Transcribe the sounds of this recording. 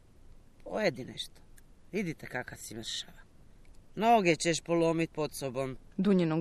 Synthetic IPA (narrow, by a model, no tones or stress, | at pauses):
pʰojed̪inḛʃt̪o̥ʋid̪it̪ekakasimr̩ʃḁʋa | mnoɡet͡ɕeʃpolˠomit̪̚ʲpot̪sobomd̪uɲeno